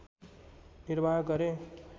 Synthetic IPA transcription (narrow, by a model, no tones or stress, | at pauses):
niɾbʱaɡʌɾe